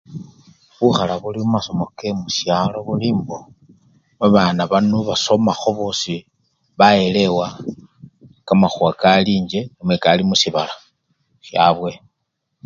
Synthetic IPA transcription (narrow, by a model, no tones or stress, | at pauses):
βuxalaβulimumaso̞mo̞kemusjalo̞βulimbo | βaβaːnaβanuβaso̞maxo̞βosi | βae̞le̞wa | kamaxuakaliːɲd͡ʒe̞nimwekalimusiβala | sjaβwe̞